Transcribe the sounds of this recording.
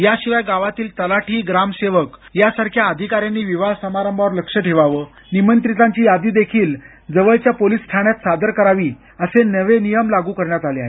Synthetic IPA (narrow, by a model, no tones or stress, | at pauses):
jaɕiʋajɡaʋat̪iːlt̪əlaʈʰiːɡɾamseʋəkjasaɾkʰjaəd̪ʱikaɾjanːiːʋiʋasəmaɾəmbʱaʋəɾləkʂəʈʰeʋaʋə | nimənt̪ɾit̪aɲt͡ɕiːjad̪iːd̪ekʰiːl | d͡zəʋəɭt͡ɕjapoliːsːʈ̪ʰaɽ̃jat̪sad̪əɾkəɾaʋiː | əsenəʋenijəmlaɡuːkəɾɳjat̪aleaɦḛ